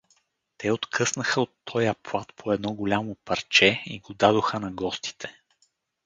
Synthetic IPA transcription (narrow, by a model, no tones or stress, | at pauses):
t̪ʰɛot̪kʰɤsnəxəot̪ʰːɔjɐplˠat̪pʰoɛd̪nɔɡolʲamopɐɾt͡ʃɛḭɡod̪ad̪oxənɐɡɔst̪i̥t̪ʰɛ̥